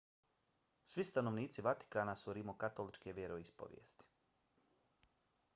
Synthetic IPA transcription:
sʋist̪ano̞ʋniːt̪siʋat̪i̥kaːnasuɾimokat̪o̞lit͡ʃkeʋjeɾo̞ispo̰ʋjḛːst̪i̥

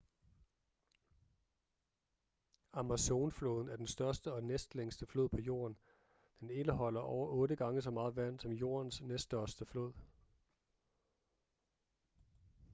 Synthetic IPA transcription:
ɑmæso̝ːnflo̝ːðˠn̩æɐd̥ensd̥ɶɐsd̥əɒ̽nesd̥leŋsd̥əflo̝ð̰ˠpʰɒ̽jo̝̰ːɐn | d̥ene̝ləɦɒ̽l̰ɐʔɒʊɐʔɔ̽ːɾəɡ̥ɑ̈ŋəsɒ̽mɑ̈ːð̞̩ˠʋæn̰d̥sɒ̽mjo̝̰ːɐnsnesd̥ɶɐsd̥əflo̝ð̰ˠ

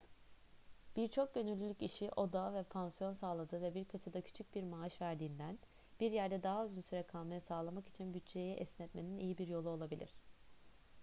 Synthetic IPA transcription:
b̥iɾt͡ʃʰo̞k̚ɟø̞nylʲːylʲyciʃiʔo̞d̪avɛpʰansijo̞nsaːlˠad̪ɯvɛbiɾkʰat͡ʃʰad̪acʰy̥t͡ʃʰyc̚biɾmaːaʃvæɾd̪iːnd̪æn | b̥iɾjæɾd̪ɛd̪aɦaøznsyɾɛkʰalˠmajasaːlˠamaki̥t͡ʃʰinbyt͡ʃt͡ʃʰe̞jɛʔɛsnɛt̪me̞ninijibiɾjo̞lˠuo̞lˠabilʲḭɾ̝̥

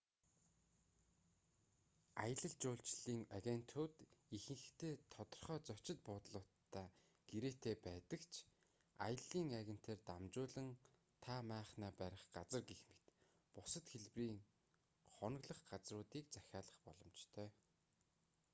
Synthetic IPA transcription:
ajə̆ɮə̆ɮt͡ɕʊːɮt͡ɕɮiːŋaɣʲen̥t̪ʰʊːt̪ixɘ̆ŋ̆xt̪ʰeːt̪ʰɔt̪ɞ̆rχœːt͡sɔt͡ɕɪ̆t̪̚pʊːt̪ɮʊːt̪ʰːaː | ɡ̥eɾeːt̪ʰeːpæːt̪ə̆kt͡ɕʰ | a̰jə̆ɮiːŋaɣʲĕn̥t̪ʰeːrt̪amt͡ɕʊːɮə̆ŋ | t̪ʰamæːχnaːpæɾʲɪ̆χɢat͡sə̆rɡexme̥t̪ | pʊsɞ̆t̪xeɮpriːŋ | χɔn̆ɣɮə̆χɢat͡srʊːt̪iːk̚t͡sæxʲaːɮə̆χpɔɮɞ̆mt͡ɕt̪ʰœː

